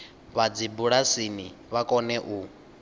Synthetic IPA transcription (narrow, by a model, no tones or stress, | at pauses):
βad͡zibuɺasiniβakʼɔnɛʔu